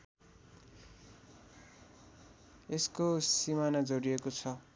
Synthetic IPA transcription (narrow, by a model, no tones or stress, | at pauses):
eskosimanad͡zoɾiekot͡sʰʌ